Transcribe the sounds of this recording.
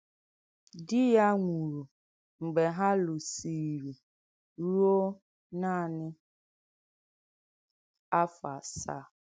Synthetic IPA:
dɪ˦ja˦ŋʷu˨ɾu˨ | ŋ͡m̩˨ɡ͡be˨ɦa˦lʊ˨si˨ɾi˨ | ɾu˦o˦ | na˦˨nɪ˦ | a˦fa˨sa̰˦˨

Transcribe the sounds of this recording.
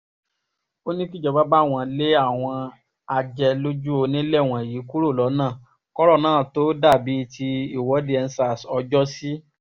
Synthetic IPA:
o˦nĩ˦fi˦˨d͡ʒɔ˧˨ba˦ba˦˨w̃ɔ̃˧le˦a˦˨w̃ɔ̃˧ | a˧d͡ʒɛ˧lo˦d͡ʒu˦o˧nĩ˦lɛ˦˨w̃ɔ̃˨ji˨˦ku˦ɾo˦˨lɔ˨˦nãː˦˨ | kɔ˦ɾɔ˦˨nãː˦˨to˨˦da˦˨bi˨˦tʰi˧i˦˨wɔ˨˦di˦ɛ˧n̩˦sa˦˨sɔ˧d͡ʒɔ˦si˦

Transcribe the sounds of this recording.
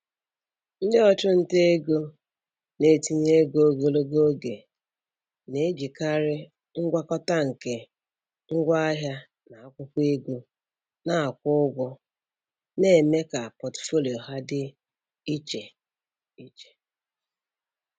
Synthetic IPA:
n̩˦dɪ˦ɔ˦t͡ʃʊ˦n̩˦te˦e˦ɡo˦ | ne˨ti˨ɲe˦e˦ɡo˦o˦ɡo˨lo˦ɡo˦ɡe˨ | ne˨˦d͡ʒi˨ka˦ɾɪ˦ | ŋ̩˦ɡʷa˦kɔ˦ta˦ŋ̩˨ke˨ | ŋ̩˦ɡʷa˦a˦ɦja˦ | na˨a˦kʷʊ˦kʷe˦ɡo˦ | na˦a˨kʷʊ˦ʊ˦ɡʷʊ˦ | ne˦˨me˦ka˨pɔ˨tfo˦lo˨ɦa˦dɪ˦ | i˦t͡ʃe˨ | i˦t͡ʃe̥˨

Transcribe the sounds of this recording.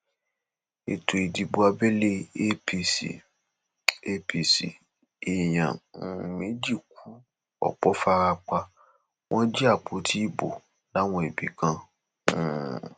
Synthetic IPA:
e˨to˨i˨di˨bo˧a˧bɛ˦le˦pi˧sḭ˨ | e˦pi˧˨sḭ˨ | e˨j̃ã̰˨me˨˦d͡ʒi˦˨k̚u˨˦ | ɔ̰˨k͡pɔ˨˦fa˧ɾa˧k͡pa˧ | w̃ʔɔ̃˦d͡ʒɛ˦a˦˨k͡po˨˦tʰi˦i˦˨bo̰˨ | la˨˦w̃ɔ̃˧e˨bi˨kã˧˦˨

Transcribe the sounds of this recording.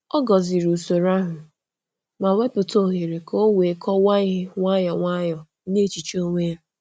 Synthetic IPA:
ɔ˦ɡɔ˨zɪ˨ɾu˨so˨ɾa˦ɦʊ˨ | ma˨we˦pʊ˨to˦˨ɦe˨ɾe˨kʰo˦we˨kʰɔ˦wa˦i˦ɦɪ˦ŋʷa˦jɔ˨ŋʷa˦jɔ˨˦ne˦˨t͡ʃi˨t͡ʃo˦ŋʷe˦˨

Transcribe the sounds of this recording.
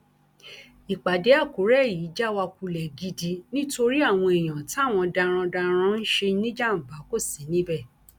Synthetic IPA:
i˨k͡pa˨de˨˦a˦˨ko˨˦ɾɛ˦˨ji˨˦d͡ʒa˦wa˧ku˧lɛ˨ɡi˧di˧nĩ˦to˧ɾi˦a˦˨w̃ɔ̃˧e˨j̃ã˨ti˦a˦˨w̃ɔ̃˧dã˧ɾ̃ã˧dã˧ɾ̃ã˧˦n̩˦ʃe˧˦nĩ˦d͡ʒa˦˨m̩˨ba˨˦ko˦˨si˨˦nĩ˨˦bɛ˦˨

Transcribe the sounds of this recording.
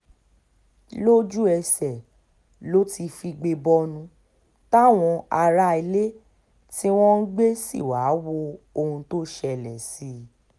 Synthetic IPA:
lo˦d͡ʒu˦ɛ˧sɛ˨ | lo˦ti˧fi˧ɡ͡be˧bɔ˧nũ˧ | ta˦˨w̃ɔ̃˧a˧ɾa˦i˧le˦ | ti˦w̃ɔ̃˦n̩˦ɡ͡be˦sḭ˦˨wa˨˦wo˧o˧hũ˧to˦ʃɛ˧˨lɛ˨si˨˦

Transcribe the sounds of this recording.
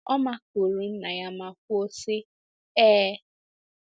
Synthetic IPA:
ɔ˦ma˦ko˨ɾu˨n̩˦na˨ja˦ma˨kʷʊ˦o˦sɪ˦ | ɛː˦

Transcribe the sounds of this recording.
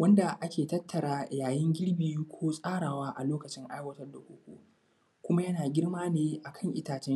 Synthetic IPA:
wɐ˦nda˨ʔa˦kʲʰeː˨tɐ˦tʰːɐ˨ɽaː˦jaː˨jɪ˦ŋɡʲɪ˦ɽbiː˨ju˦kʷʰoː˦sʼaː˦ɽaː˨waː˦ʔa˨loː˦kɐ˨t͡ʃɪ˦ŋʔa˦jwɐ˦tɐ˦rda˨kʷoː˦kʷo̰ː˦ | kʷʊ˦ma˦jɐ˦naː˨ɡʲɪ˦ɽmaː˦neː˦ʔa˨kʰɐ˦˨ŋʔɪ˦taː˨t͡ʃɛ˦

